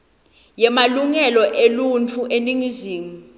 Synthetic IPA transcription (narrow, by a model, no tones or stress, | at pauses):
jɛmaluŋɛlɔʔelunt͡fʰuʔeniŋiziːŋi